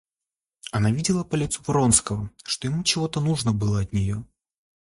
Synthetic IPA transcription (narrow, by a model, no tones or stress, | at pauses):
ɐnavʲidʲɪlˠəpəlʲɪt̪supɾo̞nskəvəʂt̪o̞jɪmut͡ɕɪvo̞t̪ənuʐnəbɨlˠəɐt̪nʲɪjo